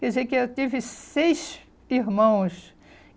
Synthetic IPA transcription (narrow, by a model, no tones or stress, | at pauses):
kɛdɪzekɪewt̪ivɪsejʃ | iɾmɐ̃w̃s